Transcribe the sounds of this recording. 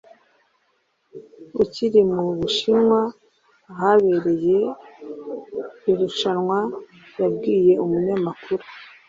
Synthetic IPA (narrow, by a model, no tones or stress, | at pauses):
uciɾimuβuʃinwa | haβe̞ɾe̞je̞ | iɾuʃanŋwa | jabɡiːje̞umuɲamakʰuɾu